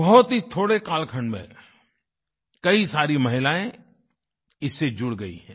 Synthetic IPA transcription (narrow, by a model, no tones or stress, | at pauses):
bɐɦʊt̪ɦit̪ʰoːɽekaːlkʰəɳmḛ̃ | kɐisaːɾimɐɦɪlaːẽ | ɪsːed͡ʒʊɽɡɐḭɦɛ̃ː